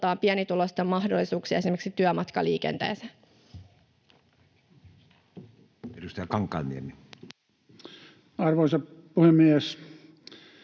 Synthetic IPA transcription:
t̪ɑːmpiɛnit̪ulost̪emmɑhdolːisuːksiɑesimeksit̪yømɑt̪kɑ̰lḭːkḛnt̪ḛːsæ | edust̪ɑjɑkɑŋkːˑɑ̰nniemi | ɑrʋoˑisɑpuhemːies

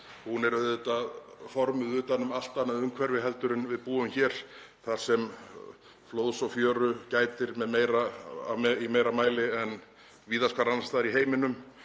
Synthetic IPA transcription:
hunɛɾðʏt̪aðfɔɾmʏðʏːt̪anːʏmal̥t̪anːaðʏmkʰvɛɾvɪɦɛlt̪ʏɾɪnvɪðpuːʏmçɛːɾ̥ | θaɾ̥sɛm | floːwðsɔfjœːɾʏcaːjt̪ɪɾmɛðmeːjɾa | imeːjɾamaːjlɪɛn | viːðaskʰvaɾanast̪aːðaɾiɦeːjmɪnʏm

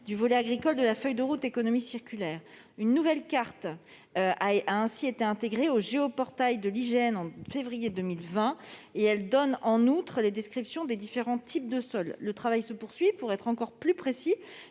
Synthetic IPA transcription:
d̪yvɔlɛaɡʁikɔld̪əlafœjd̪əʁut̪ekɔnɔmisiʁkʲylɛːʁ | ynːuvɛlkaʁt̪ | aʔaɛ̃siet̪eɛ̃t̪eɡʁeoʒeɔpɔʁt̪ajd̪əliʒɛnɑ̃fevʁijed̪ømilvɛ̃eɛld̪ɔnɑ̃nut̪χled̪ɛskχipsjɔ̃d̪ed̪ifeʁɑ̃t̪ʰip̚d̪əsɔlːət̪χavajsəpuʁsɥipuʁɛt̪χɑ̃kɔʁplypχesi

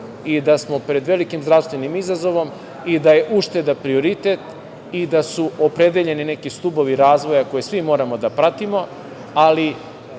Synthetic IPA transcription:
id̪asmo̞pɾe̞d̪ʋe̞likimzɾafst̪ʋe̞nimizazo̞ʋo̞m | id̪aje̞ʔuʃt̪e̞d̪anpɾio̞ɾit̪et̪ | id̪asuopɾe̞d̪eʎe̞nine̞kist̪ubo̞ʋiɾaːzʋo̞jako̞jesʋimo̞ːɾamo̞d̪apɾat̪imo̞ | ali

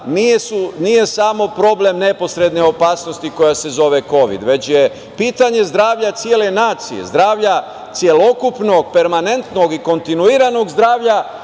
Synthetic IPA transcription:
nijesunije̞samo̞pɾo̞ble̞mne̞po̞sɾe̞d̪neo̞paːsno̞st̪iko̞jase̞zo̞ʋeko̞ʋḭd̪ʋe̞t͡ɕje̞ | piːt̪aɲe̞zd̪ɾaːʋʎat̪sjele̞naːt̪sijḛzd̪ɾaːʋʎa | t̪sje̞lo̞kupno̞ɡ̚pe̞ɾmane̞nt̪no̞ɡiko̞nt̪inuiːɾano̞ɡzd̪ɾaːʋʎa

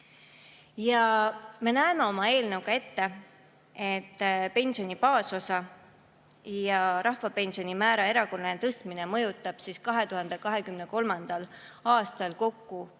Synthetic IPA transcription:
jɑme̞næeme̞o̞mɑe̞ːlnəwɡɑe̞t̪ːe̞ | e̞t̪ːpe̞nsionʲipɑːso̞sɑ | jɑɾɑhvɑpe̞nsio̞nʲimæːɾɑe̞ɾɑko̞lnent̪ɤst̪minemɤjut̪ˑːɑb̥siskɑɦe̞t̪uɦɑnd̪̥e̞kɑɦe̞kymne̞ko̞lmɑnd̪̥ɑl | ɑːst̪ɑlko̞kːu

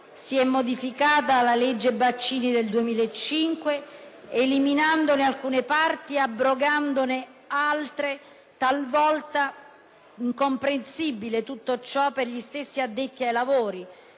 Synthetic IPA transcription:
siɛmːod̪ifikaːt̪aːlːaled͡ʒːebat͡ʃːiːnid̪eld̪uemiːlaet͡ʃːiŋkweeliminand̪onealkuːnepart̪iabːɾoɡand̪one | alt̪ɾe | t̪alvɔlt̪a | iŋkompɾensibilet̪ut̪ːot͡ʃɔpːerʎist̪esːiad̪ːet̪ːiajlavoːɾi

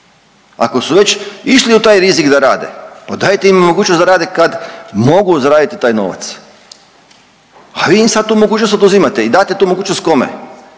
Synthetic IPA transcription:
a̰ko̞suʋe̞t͡ɕiʃliut̪aːjɾizikd̪aɾa̰ːd̪ḛpad̪aːjet̪eimmo̞ɡuːt͡ʃnosd̪aɾaːd̪ekad̪mo̞ɡuzaɾaːd̪it̪it̪aːjno̞̰ʋa̰t̪s | aʋiːimsad̪̚t̪uːmo̞ɡuːt͡ʃnost̪od̪uzimat̪eid̪aːt̪e̞t̪uːmo̞ɡuːt͡ʃnost̪̚ko̞mḛ

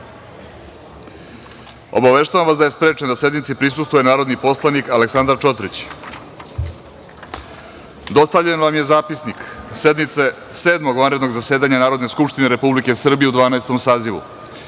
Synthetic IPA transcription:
obaʋe̞ʃt̪aʋamʋasd̪ajespɾe̞ːt͡ʃend̪ase̞d̪nit̪sipɾisust̪ʋujenaːɾo̞d̪nipo̞slˠanikaleksand̪aɾt͡ʃo̞t̪ɾit͡ɕ | d̪o̞st̪aʋʎenʋamje̞zaːpisniksed̪mit̪se | seːd̪mo̞ɡʋanɾe̞d̪noɡzaseːd̪aɲanaːɾo̞d̪ne̞skupʃt̪ineɾe̞publike̞sr̩bije̞ud̪ʋaːnaest̪o̞msaːziʋṵ

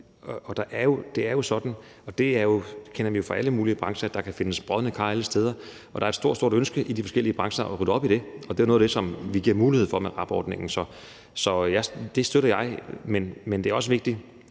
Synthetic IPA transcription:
ɒ̽d̥ɑ̈ʔæɐjo̝d̥e̝æɐjo̝sɒ̽d̥n̩ | ɒ̽d̥e̝æɐjo̝kʰenɐʋijo̝fʁɑ̈ʔæləmuːliəb̥ʁɑ̈ŋsɐd̥ɑ̈kʰæfe̝nəsb̥ʁɒð̞ˠnəkʰɑ̈ːæləsd̥eːð̞ˠɐ | ʔɒ̽d̥ɑ̈ɐe̥sd̥o̝ɐ̰̥so̝ɐ̰d̥ønsɡ̥əʔid̥ifɒsɡ̥el̰iəb̥ʁɑ̈ŋsɐʔɒʁyd̥əɒ̽b̥iɾ̥e̝ɒd̥e̝onoːðˠd̥esɒ̽mʋiɡ̥iɐ̰muːlihe̝ð̰ˠfɒ̽meʁɑ̈b̥ɒ̰ːd̥ne̝ŋn̩sɒ̽ | sɒ̽jɑ̈ɪd̥e̝sd̥øɾ̥ɐjɑ̈ɪmenmend̥eæɐɒ̽s̬əʋe̝ɡ̥̚d̥i

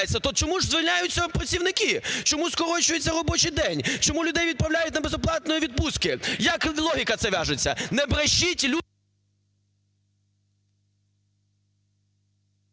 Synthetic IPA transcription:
et͡sʲːɐt̪ɔt͡ʃɔmuʐzʋɪlʲnʲajʊt͡sʲːɐpɾɐsʲiwnɪkit͡ʃɔmuskɔɾɔt͡ʃʊjʊt͡sʲːɐɾɔbɔt͡ʃɪjd̪ɛnʲt͡ʃɔmulʲʊd̪ɛjʋʲid̪̚pɾɐwlʲajʊt̚ʲnɐbezɔplˠɑt̪nɔjiʋʲid̪̚puskɪjɐklˠɔɦʲikɐt̪sɛʋʲɑʒʊt͡sʲːɐ̰nɛbɾɐʃitʲlʲu

